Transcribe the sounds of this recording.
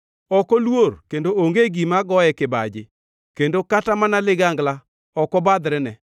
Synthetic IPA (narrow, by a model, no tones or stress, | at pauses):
ɔkɔlworkendooŋɡeɡimaɡɔjɛkɪba̰d͡ʒɪ | kendokatamanalɪɡaŋɡla | ɔkɔbad̪ɾɛnɛ